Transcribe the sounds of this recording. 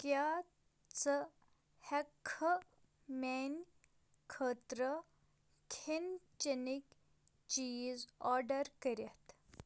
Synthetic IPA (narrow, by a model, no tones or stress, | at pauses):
kja | t͡sə | hɛkʰːə | mɛn | kʰət̪ɾə | kʰent͡ɕenik | t͡ɕizɔɾɖəɾkəɾʲjat̪